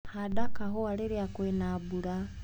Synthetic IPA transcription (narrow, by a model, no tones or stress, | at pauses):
hadakaɦoaliɾiakwenabuɾa